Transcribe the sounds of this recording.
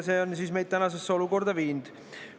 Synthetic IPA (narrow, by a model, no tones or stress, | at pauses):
seonsiːsmejd̥̪̚t̪ænɑsesːeo̞luko̞rd̪̥ɑviːnd̪̥